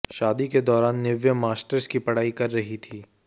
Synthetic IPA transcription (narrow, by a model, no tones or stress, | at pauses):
ʃaːd̪iked̪ɔːɾaːnːɪʋjəmaːsʈəɾskipɐɽ̤aːikɐɾːɐɦit̪ʰiː